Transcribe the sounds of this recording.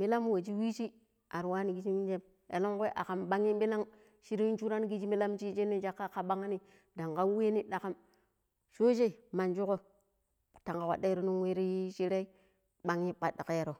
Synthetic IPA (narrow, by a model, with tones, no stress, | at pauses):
mi˦la˦mwa˨d͡ʒi˦wi˦t͡ʃi˦ | a˨ɾwa˦ni˨ɡi˦d͡ʒi˦mi˦nd͡ʒe˦m | ḛ˨lo˦ŋko˦ʔa̰˨ka˨mɓa˦ŋi˦bi˦la˦ŋ | ʃi˦ɾi˦i˦t͡ʃu˦ɾa˦n˦ɡi˦d͡ʒi˦mi˦la˦mt͡ʃi˦t͡ʃe˦nːi˦d͡ʒa˦kːa˦ka˨ɓa˦ŋa˦ni˦ | da˨ŋ˨ka˦we˦ni˦da˨ka˦m | ʃo˦ʃ̬e˦˨ma˨nd͡ʒu˦ko˦ | ta˨ŋka˨wa̰˨da˦ɾo˦nu˦nwe˦ɾi˦ʃi˦ɾe˦i˦ | ɓa˦ŋi˦pa˨da˨ke˦je˨ɾo˨